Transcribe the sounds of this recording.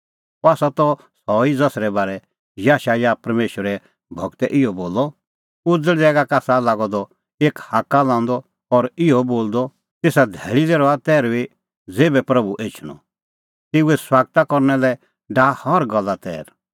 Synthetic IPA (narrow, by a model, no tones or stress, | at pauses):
aːsat̪ɔ | sɔid͡zɐsɾɛbaːɾɛ | jaːʃajaːpɐɾmeːʃəɾɛ | bʱɔɡt̪ɛʔɪjɔboːlːɔ | ʊd͡zəɽɛːɡakaːsalaːɡɔd̪ɔ | eːkhaːkːalãːnd̪ɔ | ɔɾɪjɔboːld̪ɔ | t̪eːsad̪ʱɛːɭileːɾɔat̪ɛːɾbi | d͡zeːbɛpɾɐbuʔeːt͡ʃʰñɔ̰ | t̪ɪuɛswaːɡ̚t̪akɔɾnɛlɛ | ɖaːhɔɾɡɐlːat̪ɛ̰ːɾ